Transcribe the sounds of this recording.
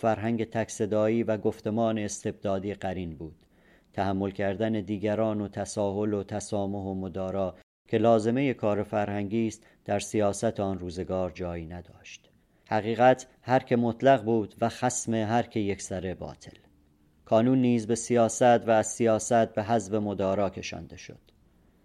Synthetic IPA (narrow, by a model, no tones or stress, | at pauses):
fæɾɦæŋɟe̞t̪ʰækse̞d̪ɒːiːvæɡo̞ft̪e̞mɒːne̞ːst̪ʰe̞b̚d̪ɒːd̪iːɢæɾiːnbuːd̪̥ | t̪ʰæhæmːo̞lcʰæɾd̪æne̞d̪iːɡæɾɒːnot̪ʰæsɒːɦo̞lot̪ʰæsɒːmo̞ɦomod̪ɒːɾɒː | cʰe̞lɒːze̞me̞je̞kʰɒːɾofæɾhæŋɟiːst̪ | d̪̥æɾsijɒːsæt̪ʰeɒːnruːze̞ɡɒːɾd͡ʒɒːjiːnæd̪ɒːʃt̪ | hæɣiːɣæt̪ʰ | hæɾcʰe̞mot̪ʰlæɣbuːd̪væxæsme̞ɦæɾcʰe̞je̞ksæɾe̞bɒ̰ːt̪ʰe̞̰l | kʰɒːnuːnːiːzbe̞sijɒːsæt̪væːzsijɒːsæt̪̚be̞ɦæzve̞mod̪ɒːɾɒːcʲʰe̞ʃɒ̰ːnd̪e̞ʃo̞̰d̪̥